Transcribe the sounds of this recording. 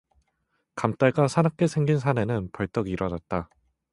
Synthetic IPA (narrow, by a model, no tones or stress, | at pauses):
kamt͈aɭɡasʰanak̚k͈e̞sʰe̞ŋɡins̬ʰane̞nɯnpʌɭt͈ʌɡiiɾʌnat̚t͈a